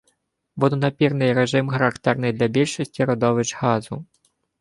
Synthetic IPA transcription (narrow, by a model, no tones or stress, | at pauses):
ʋɔd̪ɔnɐpʲirnɪjɾeʒɪmxɐɾɐkt̪ɛrnɪjd̪lʲɐbʲilʲʃɔsʲtʲiɾɔd̪ɔʋɪt͡ʃhɑzʊ̰